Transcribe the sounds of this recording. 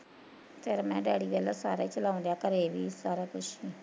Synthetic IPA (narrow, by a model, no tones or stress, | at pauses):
t̪ʰeːɾmɛ̃ːɖɛːɽiːʋɛːlaːsa̰ːɾet͡ʃəlaːʊ̃nd̪jaːkəɾeʋiːsaːɾaːkʰʊʃiː